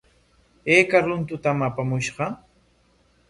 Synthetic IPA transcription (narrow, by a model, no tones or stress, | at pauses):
eːkaɾʊnt̪ʊt̪amapamʊʃɢɑ